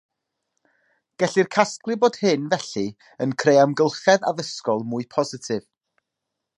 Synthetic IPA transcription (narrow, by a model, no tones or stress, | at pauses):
ɡ̥ɛɬirkʰasklˠɨboːd̥hɨnvɛɬi | ənkʰrejamɡəlˠχɛða̰ðəskɔlˠmʊːɨpʰɔzɪtʰɪv̥